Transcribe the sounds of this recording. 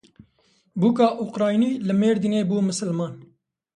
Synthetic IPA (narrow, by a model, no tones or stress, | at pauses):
buːkɑːʔuqɾɑːjniːlɨmeːɾd̪ineːbuːmɨsɨlmɑːn